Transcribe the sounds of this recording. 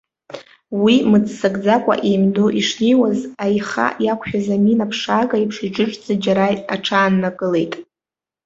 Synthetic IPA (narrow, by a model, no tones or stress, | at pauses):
wimɨt͡sʰʼsaɡʼd͡zakʷʼa̰ʔejmdoʔiʂnejwazajχa̰jakʷʰʃᶣazaminapʰʂaɡʼaipʰʂid͡ʒɨʈ͡ʂʼd͡zʼad͡ʒaɾajaʈ͡ʂʰaːnːakʼɨle̞jtʼ